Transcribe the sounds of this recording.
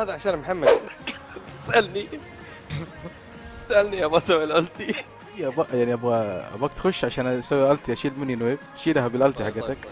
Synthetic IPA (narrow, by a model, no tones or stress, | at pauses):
haːd̪aʕaʃaːnmħamːaʃɪnakɪsʔalni | ɪsʔalniʔabasawːlʔalt̪i | jabajaʕniʔabɣaʔa̰baːkt̪xʊʃːʕaʃaːnsawːlʔalt̪iʔaʃiːlmɪnːinweːb̚ | ʃiːlaɦabɪlʔalt̪iħaɡaːt̪ak